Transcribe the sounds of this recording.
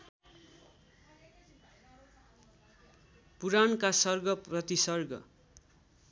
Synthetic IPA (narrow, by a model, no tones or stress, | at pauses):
puɾankasʌrɡʌprʌt̪isʌrɡʌ̰